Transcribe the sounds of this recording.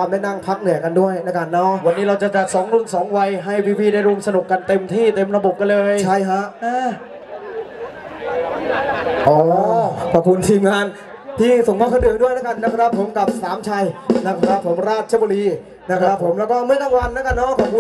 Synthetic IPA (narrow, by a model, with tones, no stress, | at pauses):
a˧mda˥˩jna˥˩ŋpʰa˦˥k̚nɯ˨˩˦ɐka˧ndu˥˩əjna˦˥ka˧nːɔ˦˥ʔwa˧nːiː˦˥ɾa˧wt͡ɕa˨˩t͡ɕa˨˩t̪̚sɔː˩˦ŋɾu˧˥˩nsɔː˩˦ŋwa˧jɦa˥˩jwiː˧pʰiː˧˩da˥˩jɾu˧əmsa˧nu˨˩kːa˧nt̪e˧mt̪ʰiː˥˩t̪e˧mɾa˧bo˨˩p̚ka˧nlɤː˧jt͡ɕʰa˥˩jkʰa˦˥ʔʔaː˧˥˩ | ʔɔː˨˩˦kʰɔː˨˩pkʰu˧nt̪ʰiː˧mŋaː˧n | t̪ʰiː˥˩so˨˩ŋkʰɔː˥˩kʰa˥˩dɯ˨˩ək̚du˥˩əjna˦˥ka˧nːa˦˥kʰɾa˦˥pʰːo˩˦mka˨˩p̚saː˩˦mt͡ɕʰa˧jna˦˥kʰɾa˦˥˩pʰːo˩˦mɾaː˥˩t̪̚t͡ɕʰa˧˥˩bu˧liː˧ | na˦˥kʰɾa˦˥pʰːo˩˦mlɛː˦˥wkɔː˥˩mɯ˥˩ɐt̪aː˥˩ŋwa˧nːa˦˥ka˧nːɔ˦˥kʰɔː˨˩p̚ku˧n